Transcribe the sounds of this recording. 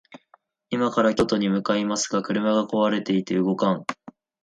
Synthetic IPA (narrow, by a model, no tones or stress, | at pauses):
imakaɾakʲo̞t̪o̞ɲ̟imɯ̟kaimasɨ̥ɡakɯ̟ɾɯ̟maɡako̞βaɾe̞t̪e̞it̪e̞ɯɡo̞kãŋ